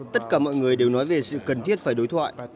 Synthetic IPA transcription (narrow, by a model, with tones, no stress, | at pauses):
t̪ə˦˥t̚kaː˧˩mɔ̰˧˨jŋɨ˨˩əjɗe˨˩wnɔ˨˦jve˨˩sɨ̰˧˨kə˨˩nt̪ʰi˦˥ət̚faː˧˩jɗo˨˦jt̪ʰwa̰ː˧˨j